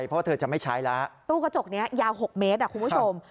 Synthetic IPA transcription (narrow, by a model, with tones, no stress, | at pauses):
jpʰɔ˦˥a˥˩ɤː˧˩t͡ɕa˨˩ma˥˩jt͡ɕʰaː˦˥jla˦˥ʔt̪uː˥˩ka˧t͡ɕo˨˩k̚ni˦˥ɐjaː˧wɦo˨˩k̚meː˦˥t̪̚ʔa˨˩ku˧npʰu˥˧˩o˧m